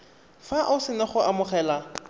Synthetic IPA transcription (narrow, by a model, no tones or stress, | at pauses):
faʔʊsɪnaχʊamʊχɛːla